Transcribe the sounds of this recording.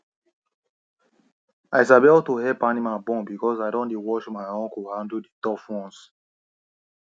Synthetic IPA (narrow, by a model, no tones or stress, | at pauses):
aɪs̬abebɔtuhɛpanimabɔ̃nbikɔsaɪdɔ̃ndewɔʃmaɪɔ̃nkuhãnduditɔfwɔ̃ns